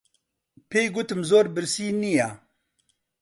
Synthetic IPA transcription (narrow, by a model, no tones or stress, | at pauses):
pʰejɡut̪ɨmzoːɾbɨɾsiːnija